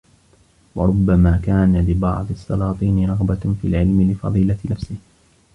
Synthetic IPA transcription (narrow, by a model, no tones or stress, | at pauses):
wɑ̰ɾˤʊbːamaːkaːnalɪbɑ̰ʕd̪ˤɨɑsˤːɑlɑːt̪ˤiːnɪɾˤɑɣbafiːlʕɪlmɪlɪfɑ̰ðˤiːlaɪnafsɪh